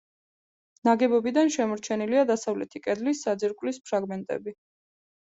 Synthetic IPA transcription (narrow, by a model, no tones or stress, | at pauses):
naɡɛbɔbid̪anʃɛmɔɾt͡ʃʰɛniliad̪asavlɛt̪ʰikʼɛd̪lisːad̪ziɾkʼwlispʰɾaɡmɛnt̪ʼɛ̰bi